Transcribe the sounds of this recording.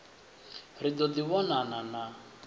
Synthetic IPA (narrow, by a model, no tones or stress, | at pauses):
ɾid̪ɔd̪iβɔnanana